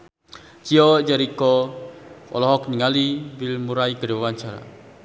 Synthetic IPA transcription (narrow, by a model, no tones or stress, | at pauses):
t͡ʃiɔd͡ʒaɾikɔ | ɔ̰lɔɦɔkɲəŋalibilmuɾaikədwawaɲt͡ʃaɾa̰